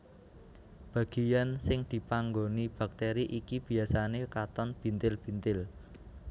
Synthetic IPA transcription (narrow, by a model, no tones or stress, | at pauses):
b̥ä̤ɡ̥ijansɪŋd̪̥i̤paŋɡonib̥a̤k̚t̪eɾiʔikib̥i̤asanekat̪ɔnb̥i̤nt̪ɪlb̥i̤nt̪ɪl